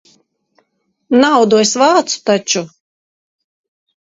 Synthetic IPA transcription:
nawd̪uɔjsvaːt̪su̥t̪at͡ʃu

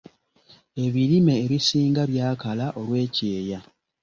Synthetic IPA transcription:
e̞βiɾime̞ːβisiːŋɡaβjaːkalaʔo̞lwe̞ːce̞ːja

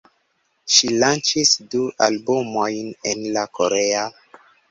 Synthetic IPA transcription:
ʃilant͡ʃisduʔa̰lbumojnenlakoɾea

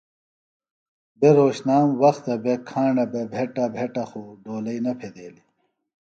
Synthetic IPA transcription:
beɾoːɕnaːmwɐxt̪ɐbekʰãːɳɖɐbebʱeʈabʱeʈɐxoɖoːlɐinɐpʰed̪eːli

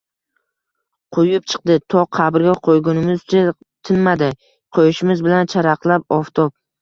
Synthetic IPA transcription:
qʰojʊp̚t͡ʃʰɨ̥q̚d̪ɪt̪ʰɒqʰɑbɪɾɡʲaqʰojɡʲʊnɪmɪzt͡ʃʰa | t̪ʰɪnmad̪ɪ | qʰojɪʃɪmɪzbɪlant͡ʃʰaɾaqlˠapɒft̪ʰɒp̚

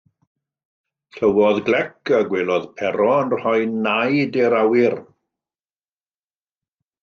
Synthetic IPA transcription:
ɬəwɔðɡlɛkʰəɡweːlˠɔðpʰɛɾɔənrhɔjnajdɛɾawɪr

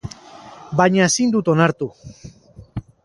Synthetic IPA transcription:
baɲaesind̪ut̪o̞naɾt̪u

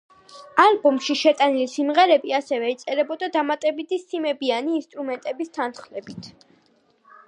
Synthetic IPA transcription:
albɔmʃiʃɛt̪ʼanilisimʁɛɾɛbiasɛvɛit̪sʼɛɾɛbɔd̪ad̪amat̪ʼɛbit̪ʰisimɛbianiːnst̪ʼɾumɛnt̪ʼɛbist̪ʰanχlɛbit̪ʰ

